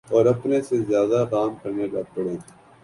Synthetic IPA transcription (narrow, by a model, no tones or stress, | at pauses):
ɔːɾɐpnesezjaːd̪akaːmkəɾnekapʊɽẽː